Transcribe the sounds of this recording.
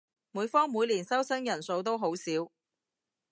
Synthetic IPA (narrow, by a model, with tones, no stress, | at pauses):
muː˨˧˥jfɔː˥ŋmuː˨˧jliː˨˩nsɐ˥wsɐ˥ŋjɐ˨˩nso˧wt̪̬o˥wɦo˨˥wsiː˨˥w